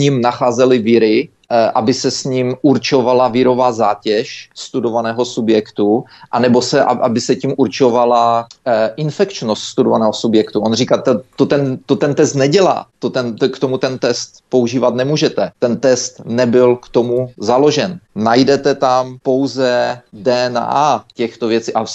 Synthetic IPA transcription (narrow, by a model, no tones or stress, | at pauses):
ɲimnaxaːzɛlɪvɪɾɪ | ʔa̰bɪsɛsɲimʔuɾt͡ʃo̞valavɪɾo̞vaːzaːcɛʃst̪udo̞vanɛːɦo̞subjɛkt̪uʔanɛbo̞sɛʔaʔabɪsɛcimʔuɾt͡ʃo̞valaʔɪnfɛkt͡ʃnost̪st̪udovanɛːɦosubjɛkt̪uʔonr̝iːkaːt̪ɛt̪ot̪ɛnt̪ot̪ɛnt̪ɛst̪nɛɟɛla̰ːt̪ot̪ɛnkt̪o̞mut̪ɛnt̪ɛst̪po̞uʒiːvat̪nɛmuːʒɛt̪ɛt̪ɛnt̪ɛst̪nɛbɪlkt̪o̞muzalo̞ʒɛnnajdɛt̪ɛt̪ampo̞wzɛdɛːɛnaːcɛxt̪ovjɛt͡siʔa